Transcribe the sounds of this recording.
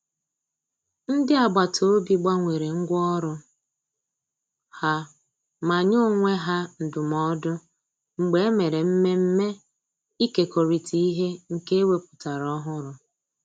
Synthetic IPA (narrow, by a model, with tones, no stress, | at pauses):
n̩˦dɪ˦a˨ɡ͡ba˨tʰo˦o˦bi˦ɡ͡ba˦ŋʷe˨ɾe˨ŋ̩˦ɡʷɔ˦ɾʊ˦ | ha˨ | ma˨ɲʊ˦ŋʷe˦ɦa˦n̩˨dʊ˨mɔ˦dʊ˦ | ŋ͡m̩˨ɡ͡be˦e˦me˨ɾe˨m̩˦me˦m̩˦me˦ | i˦ke˨ko˨ɾi˨tʰi˨˦i˦ɦe˦ŋ̩˨ke˦e˦we˦pʊ̥˨ta˨ɾɔ˦ɦʊ˦ɾʊ˨